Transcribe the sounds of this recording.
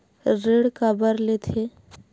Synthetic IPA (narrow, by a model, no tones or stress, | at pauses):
ɾeːɽkabəɾlet̪ʰe